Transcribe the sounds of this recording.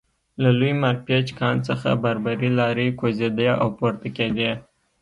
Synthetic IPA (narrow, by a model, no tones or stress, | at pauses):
lalujmaɾpet͡ʃkɑnt͡səxa̰baɾbaɾilɑɾekozed̪əʔawpoɾt̪aked̪e